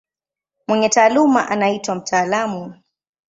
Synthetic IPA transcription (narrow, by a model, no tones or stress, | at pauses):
mwɛɲɛtaːlumaʔanaitwam̩tʰaːlamu